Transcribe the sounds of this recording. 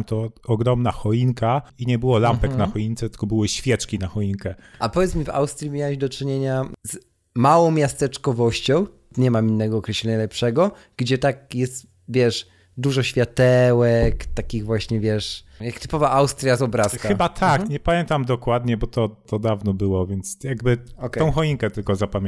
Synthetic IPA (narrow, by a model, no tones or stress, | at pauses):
mt̪ɔɔɡɾɔmnaxɔinkaiɲɛbɘwɔlampɛknaxɔint̪sɛt̪ɘ̥lkɔbɘwɘɕfʲjɛt͡ʂkʲinaxɔinkɛʔapɔvʲjɛt̪s̬mʲiva̰wst̪ɾʲimʲjawɛʑd̪ɔt͡ʂɘɲeɲaz | mawɔ̃w̃mʲjast̪ɛt͡ʂkɔvɔɕt͡ɕɔ̃w̃ | ɲɛmaminːɛɡɔːkɾɛɕlɛɲalɛpʂɛɡɔ | ɡ̥d͡ʑɛt̪ak̚jɛst̪ | vʲjɛʂ | d̪uʐɔɕfʲjat̪ɛwɛkt̪akʲiɣvwaɕɲɛvʲjɛʂjakt̪ɘ̥pɔvaʔawst̪ɾʲjazɔbɾaskxaɘbat̪ʰakɲɛpamʲjɛnt̪amd̪ɔkwad̪ɲɛbɔt̪ɔt̪ɔd̪avnɔbɘwɔvʲjɛnt̪sjaɡbɘkt̪ːɔ̃w̃xɔiŋkɛt̪ɘlkɔzapamʲ